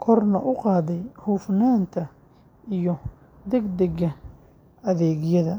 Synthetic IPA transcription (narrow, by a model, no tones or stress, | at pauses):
kʰɔrnɐʔʊqɑːðɛjhuːfnaːnt̪ʰɐ | ijɔ | d̪ɛɡd̪ɛɡɐ | ɐðɛːɣjɐðɐ